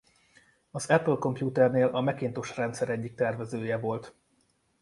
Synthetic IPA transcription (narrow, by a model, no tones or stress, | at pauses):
ɒzɛplko̞mpjuːt̪ɛrneːlʔɒmɛkeːnt̪oʃrɛnt̪sɛɾɛɟːik̚t̪ɛrvɛzøːjɛvo̞lt̪